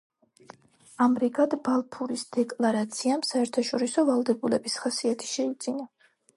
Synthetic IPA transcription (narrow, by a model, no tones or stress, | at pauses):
amɾiɡad̪balˠpʰuɾisd̪̥ɛkʼlˠaɾat̪sʰiamsaɛɾt̪ʰaʃɔɾisɔvalˠd̪ɛbulɛbisχasiat̪ʰi̥ʃɛid̪zina